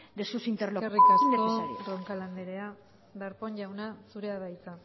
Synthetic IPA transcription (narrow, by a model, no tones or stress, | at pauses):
d̪esusint̪eɾlorikind̪eoosaɾiroŋkaland̪eɾea | d̪aɾponʝawnasuɾe̞aβajt͡sa